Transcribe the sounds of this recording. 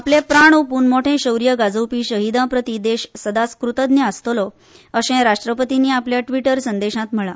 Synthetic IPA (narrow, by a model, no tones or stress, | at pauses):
aplẽpɾaɳ̃opuːnmoʈʰẽɕəwɾijəɡad͡zəwpiːɕəɦid̪ãpɾət̪id̪eɕsəd̪askɾut̪əd̪neəst̪olɔ | əɕẽɾaʂʈɾəpət̪iniːapljaʈʋiʈəɾsənd̪eɕãt̪m̤əɭa